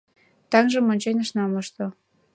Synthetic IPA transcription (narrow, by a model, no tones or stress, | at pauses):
t̪ɑŋʒɤ̆monʲt͡ɕenʲəʃnɑmɤʃt̪o